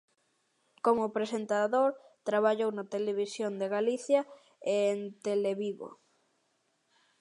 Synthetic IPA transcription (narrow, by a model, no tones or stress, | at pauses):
komʊpɾesent̪aðoɾ | t̪ɾaβaʎownat̪eleβ̞isjond̪eɣaliθja | eːnt̪eleβiβo̰